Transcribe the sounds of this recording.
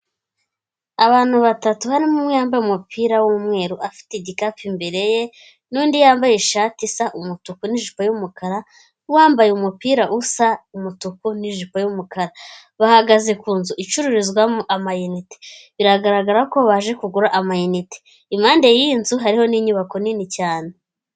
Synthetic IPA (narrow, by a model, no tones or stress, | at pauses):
aβaːn̥huβatatuhaɾimumwejaːmbajumupʰiːɾawumŋe̞ːɾuʔafi̥teɟikafimbe̞ɾe̞je̞ | nuːndijaːmbajeʃaːtisaʔumutukuniʒipajumukʰaɾa | waːmbajeumupiːɾaʔusaumutukuniʒipajumukaɾa | βahaɡaze̞kuːnzuʔit͡ʃuɾuɾizɡwamuʔamajinite̥βiɾaɡaɾaɡaɾako̞βaʒe̞kuɡuɾaʔamajinite | imaːnde̞jiːnzuɦaɾiho̞niɲuβako̞ninicaːne